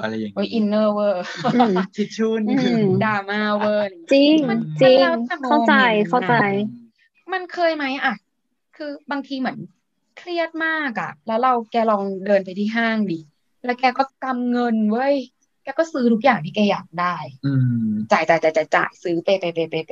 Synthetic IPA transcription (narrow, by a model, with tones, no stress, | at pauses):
a˧la˧˨wo˧˦˥jʔi˧nːɤː˧˩wɤː˧˩˧a˧tʰi˧˩t͡ɕʰuː˧˩nː˧daː˧maː˧˩wɤː˧˩˧t͡ɕi˧ŋa˧nt͡ɕi˧lŋaː˦˧˥a˧˩mkʰa˥˩˧t͡ɕa˧jkʰa˥˩wa˧j | ma˧nkʰɤː˧jma˦˥jʔa˨˩ | kʰɯː˧baː˧ŋt̪ʰiː˧mɯ˨˩˦ən | kʰli˥˩ət̪̚maː˥˩k̚a̰˨˩lɛː˦˥wɾa˧wkɛː˧lɔː˧ŋdɤː˧npa˧jt̪ʰiː˥˩ɦaː˥˩ŋdiː˨˩ | lɛː˦˥wkɛː˧kɔː˥˩t̪a˧mŋɤ˧nwɤ˦˥˨j | kɛː˧kɔː˥˩sɯː˨˦˥t̪ʰu˦˥k̚jaː˨˩ŋt̪ʰiː˥˩kɛː˧jaː˨˩k̚daː˥˩jɯː˧t͡ɕaː˨˩jt͡ɕaː˨˩jt͡ɕaː˨˩jt͡ɕaː˨˩jt͡ɕa̰ː˨˩jsɯː˦˥p̪e˧pa˧˩pe˧˩pe˧˩pa˧